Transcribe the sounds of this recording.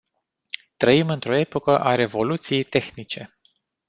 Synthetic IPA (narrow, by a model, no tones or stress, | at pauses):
t̪ɾəimɨnt̪ɾo̞e̞po̞kəʔaɾe̞vo̞lut̪sije̞jt̪e̞xnit͡ʃe̞